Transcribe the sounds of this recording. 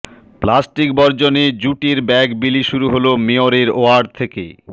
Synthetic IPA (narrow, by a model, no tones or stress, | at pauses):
plasʈikbɔɾd͡ʑoned͡ʑuʈiɾbɛɡbiliʃuɾuɦolomeoɾeɾoaɾɖ̚t̪ʰekḛ